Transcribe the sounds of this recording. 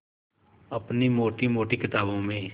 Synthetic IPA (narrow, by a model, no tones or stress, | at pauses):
əpnimoːʈimoːʈikɪt̪aːbõmẽ